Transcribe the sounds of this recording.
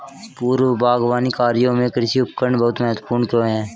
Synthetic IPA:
puːɾbʱaːɡʋaːnikaːɾɪjõmẽkɾɪʃiʊp̚kəɾəɳbəɦʊt̪mɛɦət̪wpuːɾɳkoɦɛ̃ː

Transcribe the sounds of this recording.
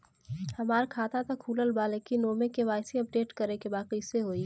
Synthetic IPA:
hɐmaːɾkʰaːt̪at̪ɐkʰuːləlbaːlekinoːmekeʋaːɪsiɐp̚ɖeːʈkəɾekebaːqəiseɦoːi

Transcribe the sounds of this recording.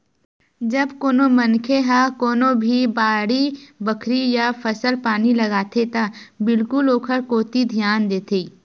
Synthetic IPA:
d͡ʒɐbkoːnomɐnkʰeɦakoːnõbʱibaːɽibəkʰɾijapʰɐsəlpaːnilɐɡaːt̪et̪abɪlkʊloːkʰəɾkoːt̪id̪ʱjaːnd̪eːt̪ʰiː

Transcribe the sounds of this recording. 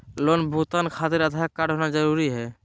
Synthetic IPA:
lonbʱut̪ankʰat̪iɾəd̪ʱakaɖɦonad͡ʒəɾuɾiɦɛ

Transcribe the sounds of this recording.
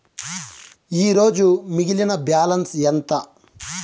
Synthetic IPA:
iːɾo̞ːd͡ʒumiɡilinɐbjaːlɐnsɛnt̪ɐ

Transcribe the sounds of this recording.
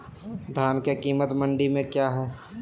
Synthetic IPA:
d̪ʱaːnkekiːmət̪mə̃ɳɖimẽkjaːɦɛː

